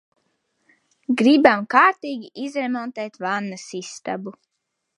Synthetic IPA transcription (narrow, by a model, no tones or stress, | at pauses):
ɡɾibamkaːɾt̪iːɡʲiizɾemɔnt̪eːt̪vanːasist̪abu